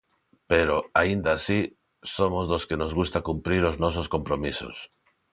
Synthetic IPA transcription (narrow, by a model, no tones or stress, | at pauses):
peɾoaind̪asi | somozðoskenozɣust̪akumpɾiɾoznɔs̬oskompɾomiso̰s